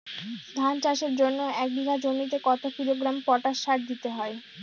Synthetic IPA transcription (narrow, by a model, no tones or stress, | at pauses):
d̪ʱant͡ɕaʃeɾd͡ʑonːoɛk̚ɖ̪iɡʱad͡ʑonit̪ekɔt̪okiɾoɡɾampɔʈaʃːaɾd̪it̪eɦɔe